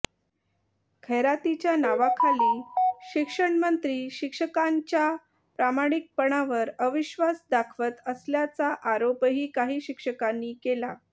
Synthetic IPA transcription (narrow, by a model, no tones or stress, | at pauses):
kʰeɾat̪it͡ɕjanaʋakʰaliːɕikʂəɳmənt̪ɾiːɕikʂəkaɲt͡ɕja | pɾamaɽ̃ik̚pəɳ̃aʋəɾəʋiɕʋasd̪akʰʋət̪əsljat͡saʔaɾopɦiːkaɦiːɕikʂəkanːiːkela